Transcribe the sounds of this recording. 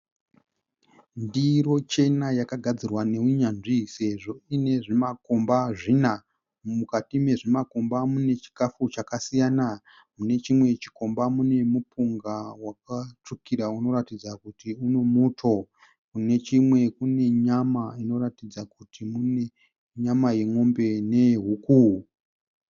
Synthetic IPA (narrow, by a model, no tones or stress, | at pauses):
ndiro̞t͡ʃe̞najakaɡʱad͡zirwane̞uɲanʐise̞ʐo̞ine̞ʐimako̞mbaʐina | mukatime̞ʐimako̞mbamune̞t͡ʃi̥kafut͡ʃakasijana | mune̞t͡ʃimwe̞t͡ʃi̥ko̞mbamune̞mupʰuŋɡawak̚at͡ʂukiɾauno̞ɾatid͡zakutiune̞mutʰo̞ | kune̞t͡ʃimwe̞kune̞ɲamaino̞ratid͡zakutʰimune | ɲamajeŋo̞mbe̞ne̞ɦukuɦu